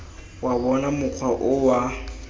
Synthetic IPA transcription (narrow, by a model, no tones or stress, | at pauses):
waβɔnamʊq͡χʰwaʔʊwa